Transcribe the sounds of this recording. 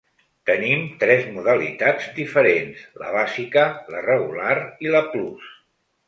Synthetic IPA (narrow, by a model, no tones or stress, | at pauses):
t̪ənimt̪ɾɛzmuðəlḭt̪ad͡zd̪ifəɾenslə̰βazikələrəɣulariləplus